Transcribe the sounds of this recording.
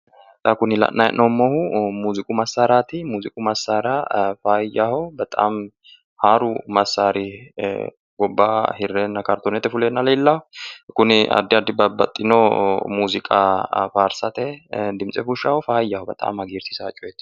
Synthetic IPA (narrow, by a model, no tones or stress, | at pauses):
t̪ʼɐkʊnɪlɐ̰ʔnɐjɛ̰ʔnʔomːɔhʊmuːzɪkʼʊmɐsːaːɾaːt̪ɪmuːzɪkʼʊmɐsːaːɾafaːjaːhɔbɐt̪ʼa̰ːm | haːɾʊmɐsːaːɾɪ | ɡɔbːaːhɪrːɛnːɐkɐɾt̪ɔnɛt̪ːɛfʊleːnːɐlɐɪlːɐhɔkʊnɪɐ̰d̪ːɪɐd̪ːɪbɐbɐt̪ʼːɪnomuːzɪkʼafaːɾsɐt̪ɛd̪ɪmt͡sʼɛfʊʃːaːhɔfaːjːaːhɔbɐt̪ʼa̰ːmɐɡiːɾsɪsaːt͡ʃʼːɔjɛt̪ː